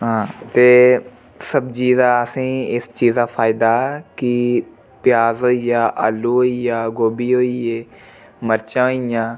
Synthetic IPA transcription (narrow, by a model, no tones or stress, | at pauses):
ɦãːt̪eː | səbd͡ʒiːzaːəsĩːɪst͡ʃiːzaːpʰaːɪd̪aːɛkɪ | pɪjaːzɦoːijaːʔaːluːɦoːijaːɡoːbiːɦoːieː | məɾt͡ʃãːɦoːijãː